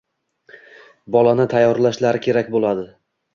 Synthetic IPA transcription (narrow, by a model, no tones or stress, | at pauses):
bɒlanɪt̪ʰajːɒɾlaʃlaɾɪkʲʰe̞ɾakʲbolˠad̪ɪ